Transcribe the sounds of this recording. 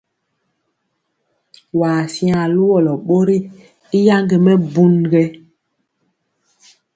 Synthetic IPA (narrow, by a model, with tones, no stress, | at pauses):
waː˨sjã˨lu˦wɔ˨lɔ˨ɓo˦ɾi˦ | i˦ja˦ŋɡe˨mɛ˦bu˦nɡɛ˦